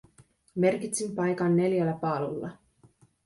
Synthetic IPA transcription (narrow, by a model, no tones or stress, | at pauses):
me̞rkit̪simpɑjkɑnːe̞ljælːæpɑːlulːɑ̰